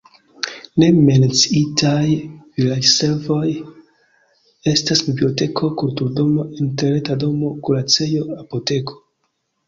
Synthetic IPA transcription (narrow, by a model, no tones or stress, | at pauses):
ne̞me̞nt͡siitajvilad͡ʒse̞ɾvo̞j | e̞stasbiblio̞te̞kʰo̞kultuɾdo̞mo̞inteɾetado̞mo̞kulat͡se̞jo̞apo̞te̞kʰo̞̥